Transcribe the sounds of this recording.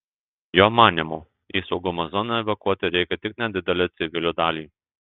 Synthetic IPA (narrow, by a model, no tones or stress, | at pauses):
joːmɑːnʲɪmuː | isɒʊɡʊmɐzɔnɐɛʋʲɐkuɔt̪ʲɪɾʲɛɪkʲɛt̪ʲɪknʲɛd̪ʲɪd̪ʲɛlʲɛt̪sʲɪʋʲɪlʲʊːd̪ɑːlʲiː